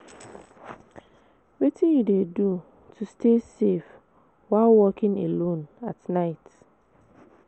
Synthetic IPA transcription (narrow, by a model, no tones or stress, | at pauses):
wetʰĩnjudedu | tʰustʰesef | waɪlwɔkɪ̃nḛlõnatnaɪt